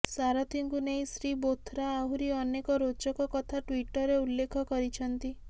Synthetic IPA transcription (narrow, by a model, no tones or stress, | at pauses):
saɾɔt̪ʰiŋkunej̃sɾibot̪ʰɾaːɦuɾiɔnekɔɾot͡ʃɔkɔkɔt̪ʰaʈwiʈɔɾeulːekʰɔkɔɾit͡ʃʰɔnt̪i